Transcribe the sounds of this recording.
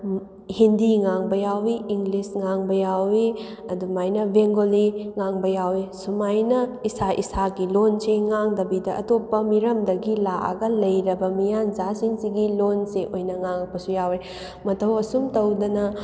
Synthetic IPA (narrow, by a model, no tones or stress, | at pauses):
hindiŋaŋbɐjawiːŋɡlisŋaŋbɐjawi | ɐdumajnɐbʱeŋɡoliŋaŋbɐjawisumajnɐisaʔḭsaɡilonseŋaŋdɐbidɐʔɐtopːɐmiɾɐmdɐɡilaʔa̰ɡɐlɐjɾɐbɐmijanzasiŋsiɡilonseʔojnɐŋaŋ̚bɐsujawɾe | mɐtʰɐwɐsumtɐwdɐnɐ